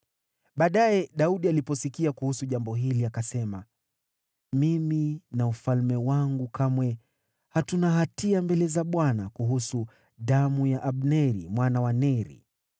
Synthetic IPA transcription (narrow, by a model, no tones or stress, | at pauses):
ɓaːɗajɛɗauɗialipɔsikiakuhusuʄambɔɦiliakasɛma | miminaufalmɛwaŋɡukamwɛ | hatunaɦatiambɛlɛzaɓwanakuɦusu | ɗamujaʔaɓnɛɾḭmwanawanɛɾḭ